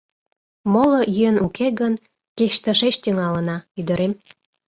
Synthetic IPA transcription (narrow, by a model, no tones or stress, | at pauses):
molojyenʔukʰeɣən | keʃt̪əʃeʃt̪yŋɑlə̆nɑyd̪ə̆ɾem